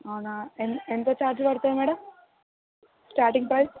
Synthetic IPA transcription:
aːnaenend̪et͡ɕaːɾd͡ʑɨpɐɾɐt̪ːaɐmeːɽɐm | sʈaːɾʈiŋɡpɾɐjs

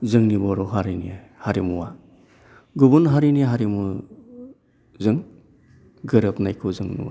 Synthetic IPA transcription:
zɯŋnibɔɾɔɦaɾiniahaɾimuwa | ɡubunɦaɾiniaɦaɾimu | zɯŋ | ɡɯɾɯpnajkʰuzɯŋnṵwa̰

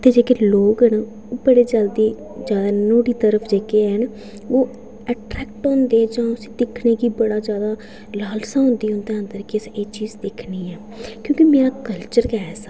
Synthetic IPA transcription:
t̪eːd͡ʒeːkeːloːkɦən | ʊpəɽeːd͡ʒəld̪iː | zjaːd̪aːnoːɽiːt̪əɾəpʰd͡ʒeːkeːən | oː | ɛːʈɾɛːk̚ʈõːnd̪eːɛːd͡ʒãːʊsĩ̥ːd̪ɪkʰneːkiːbəɽaːd͡ʒjaːd̪aː | laːlsãːɦʊ̃nd̪iːɦʊ̃nd̪eːə̃nd̪əɾkɪseːt͡ʃiːzd̪ɪkʰniːɛː | kjõːkimẽãːkəlt͡ʃəɾkɛːsa

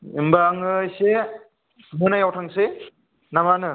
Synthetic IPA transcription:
imbaŋɯjse | mɯnajawtʰaŋse | namanɯ

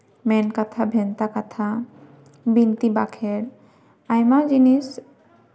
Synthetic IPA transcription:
mɛnkat̪ʰabʱɛnt̪akat̪ʰa | bint̪ibakʰɛɾ | ajmad͡ʒinis

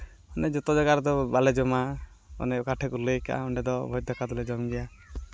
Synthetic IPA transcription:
ɔnɛd͡ʒɔt̪ɔd͡ʒaɡaɾɛd̪ɔbalɛd͡ʒɔma | ɔ̰nɛɔkaʈʰɛkulejka̰ʔa̰ɔɳɖɛd̪ɔbʱɔj̚d̪ʱɔkad̪ɔlɛd͡ʒɔmɡɛja

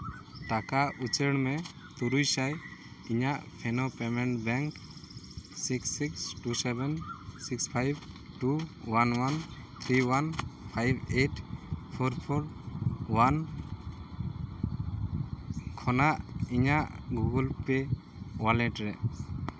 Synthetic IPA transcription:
ʈakaut͡ʃəɽmɛ | t̪uɾujsaj | iɲaʔpʰɛnɔpɛmɛɳʈbɛŋk | siksːiksʈusɛbɛnsikspʰajb | ʈuwanwant̪ʰɾiwanpʰajbeʈpʰɔɾpʰɔɾwan | kʰɔnaʔiɲaʔɡuɡɔlpɛ | walɛʈɾɛ

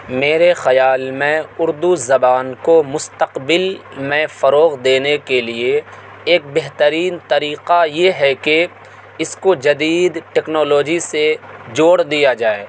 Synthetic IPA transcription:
meːɾexɐjaːlmẽʊɾd̪uzɐbaːnkomʊst̪əqbɪlmẽfɐɾoːɣd̪eːnekelieː | k̚bɛɦt̪əɾiːnt̪ɐɾiːqajeɦɛke | ɪskod͡ʒɐd̪iːd̪ʈɛːknɔːloːd͡ʒised͡ʒoːɽd̪ijad͡ʒaːeː

